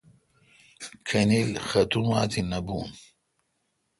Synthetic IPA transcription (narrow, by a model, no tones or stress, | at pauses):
kʰɐnelxɐt̪umaːt̪ʰinɐbuːn